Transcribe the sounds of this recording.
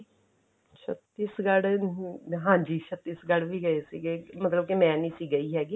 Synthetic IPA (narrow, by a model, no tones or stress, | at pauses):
t͡ʃʰət̪ːiːsɡəɽ | ɦãːɲd͡ʒiːt͡ʃʰət̪ːiːsɡəɽʋiːɡəeːsiːɡeːmət̪ləb̚kimɛ̃ːnĩːsiːɡəiːɦɛːɡiː